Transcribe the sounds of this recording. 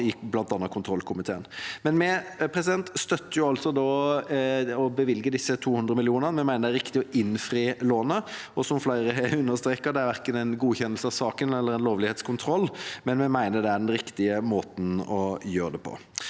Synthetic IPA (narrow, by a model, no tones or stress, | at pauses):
ɪblɑnt̪ɑnːəkʰʊnt̪ʰɾɔlkʰʊmɪt̪ʰeːənmɛnmɛpʰɾɛsɪd̪ɛnt̪st̪œt̪ːəjʊɑlt̪sɔd̪ɔ | ɔbəʋɪlɡəd̪ɪsːət̪ʰuːhʉnd̪ɾəmɪlɪuːnənmɛmæɪnəd̪æɾɪkt̪ɪɔʔɪnfɾiːloːnəɔsɔmflæɪɾəɦɛʉnːəʁst̪ɾeːkəɾd̪ɛæɾʋæɾkənæɪnɡuːçɛnːəlsəɑʋsɑːkənɛlːəɾɛɪnloːʋlɪheːt̪skʰʊnt̪ʰɾɔlːmɛnmɛmæɪnəd̪ɛæɾɖɛnɾɪkt̪ɪəmoːt̪n̩ɔjøːɾəd̪ɛpʰɔ̰